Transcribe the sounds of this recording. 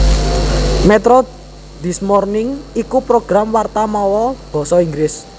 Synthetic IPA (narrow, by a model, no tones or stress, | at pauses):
mɛt̪ɾɔ | d̪̥ismɔrnɪŋikupɾoɡ̥ɾamwart̪amɔwɔb̥ɔ̤sɔiŋɡɾɪs